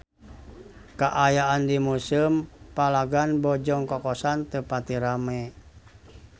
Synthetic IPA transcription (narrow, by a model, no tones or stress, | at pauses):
kaʔajaandimusimpalaɡanbɔd͡ʒɔŋkɔkɔsant̪əpat̪iɾamɛ